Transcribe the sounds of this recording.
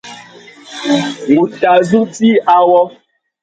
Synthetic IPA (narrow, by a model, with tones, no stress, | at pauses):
ŋũ˨ta˨zu˦ti˦a˨wɔ˦